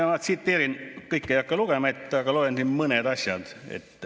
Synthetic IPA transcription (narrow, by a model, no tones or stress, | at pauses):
ɑnɑt̪siːt̪ːeːɾinkɯjkːˑejɑkːɑluɡ̥emɑet̪ːˑɑɡɑlolensinməned̪ɑsʲjɑ̰d̪̥ḛt̪ː